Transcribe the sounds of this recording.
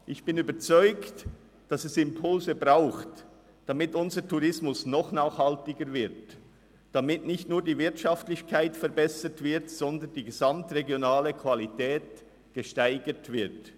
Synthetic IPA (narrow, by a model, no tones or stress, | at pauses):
ʔɪçb̥ɪnyːbət͡sɔʏkt | d̥ɑsɛsɪmpʰʊlzəbʁaʊxt | d̥amɪtʊnzətʰuʁɪsmʊsnɔχnaːχhɑltɪɡəɾvɪʁt | d̥amɪtnɪçtnuːɐdiːvɪɐtʃɑftlɪçkʰaɪtfɛɾbɛsətv̥ɪʁtz̥ɔndəndiːɡezamtʁeɡjonaːləkʰv̥alitɛːt | ɡ̥əʃtaɪɡətv̥ɪʁt